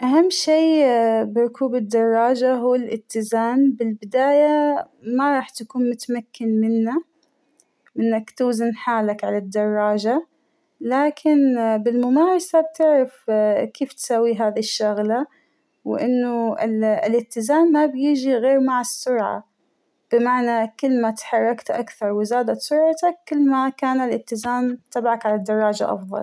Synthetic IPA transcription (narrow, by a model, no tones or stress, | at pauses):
ʔaɦamːʃiːbɪɾʊkuːbɪd̪ːɑrˤːɑːd͡ʒaɦuːɪlʔɪt̪ːɪzaːmbɪlbɪd̪aːja | maɾˤɑːħt̪akuːnmʊt̪amakːɪnmɪnːa | mɪnːakt̪uːzɪnħaːlakʕalad̪ːɑrˤːɑːd͡ʒa | laːkʰɪnbɪlmʊmaːɾˤɑsab̚t̪ɪʕɾɪfkʰeːft̪sawːiɦaːðiʃːaɣla | wɪ̰ʔɪnːʊɪɪlʔɪt̪ːɪzaːmːabjɪd͡ʒiɣeːɾmaʕasːʊɾʕa̰ | b̥ɪmaʕnakɪlːmat̪ħɑrˤːɑkt̪ʔakθɑɾˤwɪzaːd̪at̪sʊɾˤʕat̪akːɪlːmakaːnalʔɪt̪ɪzaːmt̪ʰabʕakʕalad̪ːɑrˤːɑːd͡ʒa̰ʔɑ̰fðˤɑ̰l